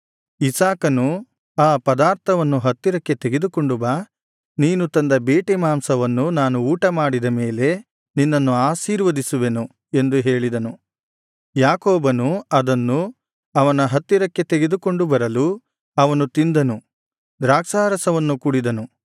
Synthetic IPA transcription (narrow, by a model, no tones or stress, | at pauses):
isaːkɐnu | aːpɐd̪aːɾt̪ʰɐʋɐnːuɦɐt̪ːiɾɐkːe̞t̪eɡe̞d̪uko̞ɳɖubɐ | niːnut̪ɐnd̪ɐbeːʈemaːmsɐʋɐnːunaːnuːʈɐmaːɽid̪ɐmeːle̞ | ninːɐnːuaːʃiːɾʋɐd̪isuʋe̞nu | e̞nd̪uɦe̞ːɭid̪ɐnu | jaːkoːbɐnuɐd̪ɐnːu | ɐʋɐnɐɦɐt̪ːiɾɐkːe̞t̪eɡe̞d̪uko̞ɳɖubɐɾɐlu | ɐʋɐnut̪ind̪ɐnu | d̪ɾaːksaːɾɐsɐʋɐnːukuɽid̪ɐnu